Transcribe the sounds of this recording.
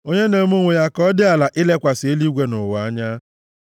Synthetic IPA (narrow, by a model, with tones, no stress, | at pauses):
o˦ɲe˦ne˨mu˦ŋʷe˨ja˦kɔ˦dɪ˦a˨la˨ʔɪ˦le˦kʷa˨sɪ˨e˦li˦ɡʷe˦nʊ˨wʊ˨a˦ɲa˦